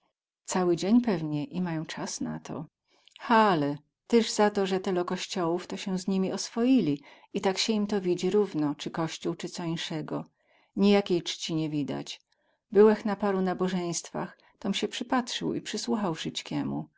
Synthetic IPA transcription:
t̪sawɘd͡ʑeɲpɛvɲɛʔimajɔ̃w̃t͡ʂasna̰t̪ʰɔ̰ | xalɛ | t̪ɛʐzat̪ɔʐɛt̪ɛlɔkɔɕt͡ɕɔwuft̪ɔɕɛzɲimʲiʔɔsfɔjilʲi | it̪akɕɛimt̪ɔvʲid͡ʑiɾuvnɔt͡ʂɘkɔɕt͡ɕuwt͡ʂɘt̪sɔinʂɛɡɔ | ɲijakʲejt͡ʂt͡ɕiɲɛvʲid̪a̰t͡ɕ | bɘwɛxnapaɾunabɔʐɛj̃st̪fa̰x | t̪ɔmɕɛpʂɘpatʂɘ̰wḭpʂɘswuxawʂɘt͡ʂkʲɛmṵ

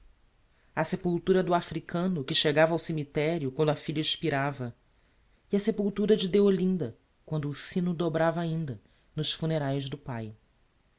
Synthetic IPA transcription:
ɐsepuwt̪uɾɐd̪ʊafɾikɐ̃nʊkɪʃeɡavɐawsemit̪ɛɾjʊkwɐ̃nd̪ʊɐfiʎɐiʃpiɾavɐ | iɐsepuwt̪uɾɐd͡ʒɪd̪eolĩnd̪ɐ | kwɐ̃nd̪ʊːsĩnʊd̪obɾavɐaːĩnd̪ɐ | nʊʃfuneɾajʒd̪ʊpaj

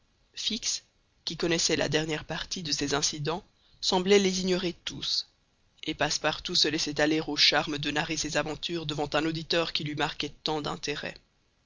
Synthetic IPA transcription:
fiks | kʲikɔnɛsɛla̰d̪ɛʁnjɛʁpaʁt̪id̪əsezɛ̃sid̪ɑ̃ | sɑ̃blɛleziɲɔʁet̪us | epaspaʁt̪usəlɛsɛt̪aleʁoʃaʁməd̪ənaʁesezavɑ̃t̪yːʁd̪əvɑ̃t̪ɛ̃nod̪it̪œʁkʲilɥimaʁkɛt̪ɑ̃d̪ɛ̰̃t̪eʁɛ̰

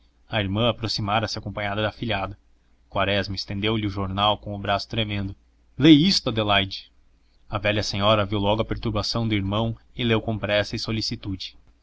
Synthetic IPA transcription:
ɐiɾmɐ̃apɾosimaɾɐsɪakõpɐ̃ɲad̪ɐd̪ɐafiʎʲiad̪ɐ | kwaɾɛzmɐɪst̪ẽnd̪ewlɪʊʒoɾnawkõʊbɾasʊ̥t̪ɾemẽnd̪ʊ | lejist̪ʊɐd̪elajd͡ʒɪ | ɐvɛʎɐsẽɲɔɾɐviwlɔɡʊɐpeɾt̪uɾbasɐ̃w̃d̪ʊiɾmɐ̃w̃ | ɪlewkõpɾɛsɐɪsolisit̪ud͡ʒɪ̥

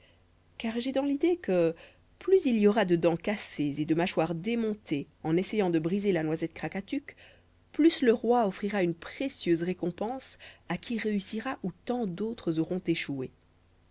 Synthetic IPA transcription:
kaʁʒɛd̪ɑ̃lid̪ekə | plyzilijɔʁad̪əd̪ɑ̃kasezed̪əmaʃwaʁd̪emɔ̃t̪ʰe | ɑ̃nesɛjɑ̃d̪əbʁizelanwazɛt̪̚kχakat̪yk | plysləʁwaɔfχiʁaynpχesjøzʁekɔ̃pɑ̃sakʲiʁeysiʁaʔut̪ɑ̃d̪ot̪χəzɔʁɔ̃t̪eʃue

